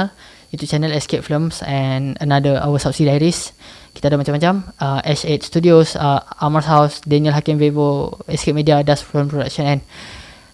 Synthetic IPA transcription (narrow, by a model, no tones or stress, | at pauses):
l | jut̪ut͡ʃɛnəlɛskep̚fləmsɛ̃nənadəʔa̰wəsap̚sidajəɾiski̥t̪adəʔmat͡ʃamːat͡ʃaməɛset̪̚st̪udiosəaməsɦawsdɛniəlɦakimvevəɛsket̪̚midiadasfimpɾoda̰k̚ʃə̃nɛ̃n